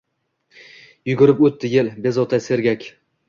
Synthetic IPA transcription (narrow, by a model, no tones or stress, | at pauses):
jʊɡʲʊɾɪpot̪ːɪjɪlbezot̪ʰajse̞ɾɡʲakʲ